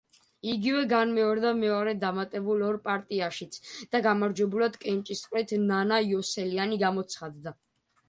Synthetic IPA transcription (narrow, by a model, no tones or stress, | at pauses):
iɡivɛɡanmɛɔɾd̪amɛɔɾɛd̪amat̪ʼɛbulɔɾpʼaɾt̪ʼiaʃit̪sʰd̪̥aɡamaɾd͡ʒwɛbulad̪kʼɛnt͡ʃʼist̪qʼɾɛt̪ʰnanaiɔsɛlianiɡamɔt̪sʰχad̪d̪a